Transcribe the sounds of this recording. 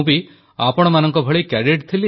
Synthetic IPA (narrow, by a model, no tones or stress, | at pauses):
bi | a̰pɔɽ̃ɔmanɔŋkɔbʱɔɭikɛɖeʈt̪ʰili